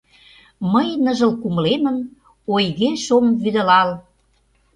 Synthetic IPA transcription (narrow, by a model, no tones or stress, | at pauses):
məjnə̆ʒə̆lkumə̆lemə̆n | ojɣeʃomvyd̪ə̆lɑl